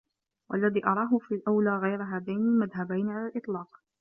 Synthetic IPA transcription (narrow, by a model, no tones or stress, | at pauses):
wʔalːaðiːʔɑɾˤɑːɦʊfilʔawlaːɣajɾaɦaːd̪ajnɪmaðɦabajnʕalaːlʔɨt̪ˤlɑːq